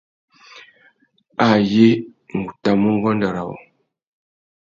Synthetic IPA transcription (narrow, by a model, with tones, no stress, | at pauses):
a˦˨je˦ŋ̩˨ɡu˨ta˨mu˦ŋ˦ɡɔ˦n˦da˨ɾa˨wɔ̰˨